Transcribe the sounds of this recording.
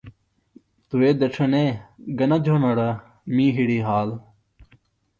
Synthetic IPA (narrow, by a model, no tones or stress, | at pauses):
t̪ueːd̪ɐʈ͡ʂʰɐneːɡɐnɐd͡ʒʱoːnɐɽɐ | mĩːɦiɽiːɦaːl